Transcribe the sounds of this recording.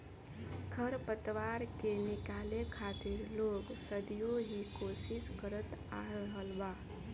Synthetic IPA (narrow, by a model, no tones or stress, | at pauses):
kʰəɾpət̪ʋaɾkenikalekʰat̪iɾloɡsəd̪ijoɦikosiskəɾət̪aɾəɦəlba